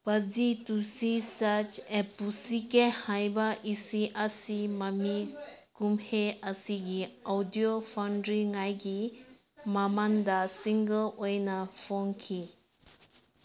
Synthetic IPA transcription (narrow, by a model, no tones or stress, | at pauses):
pəd͡zit̪usisat͡ʃepusikehãjbaʔisiʔasimamikumheəsiɡiawd̪ijofʰanɖɾiŋajɡi | mamand̪asiŋɡəlojnafoŋkʰi